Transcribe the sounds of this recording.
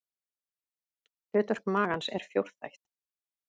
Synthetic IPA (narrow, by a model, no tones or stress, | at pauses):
ʏːt̪œr̥kmaːɣansɛ̰ɾ̥fjowɾ̥θa̰jht̪